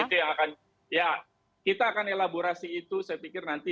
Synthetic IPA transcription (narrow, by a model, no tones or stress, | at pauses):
it̪ujaŋakan | ja | kit̪aːkanelaboɾasiːt̪usajapikɪrnant̪i